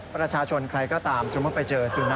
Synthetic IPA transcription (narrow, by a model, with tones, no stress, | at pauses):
pɾa˧t͡ɕʰaː˧t͡ɕʰo˧nkʰɾa˧jkɔː˥˩t̪aː˧mso˧˦mu˦˥˩t̚pa˧jt͡ɕɤː˧si˧na˧